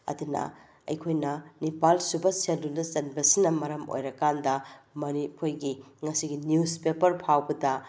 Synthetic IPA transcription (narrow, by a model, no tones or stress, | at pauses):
ɐ̰dunɐ̰ | ɐ̰jkʰojnɐnipalsubɐsendunɐzɐnbɐsinɐmɐɾɐmo̰jɾɐkandɐmɐnipʰojɡiŋɐsiɡinjuzpepɐɾpʰawbɐdɐ